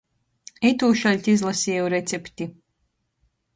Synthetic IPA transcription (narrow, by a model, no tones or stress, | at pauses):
ɛt̪uːʃalʲt̪ʲizlˠasiɛwɾet̪sɛpt̪i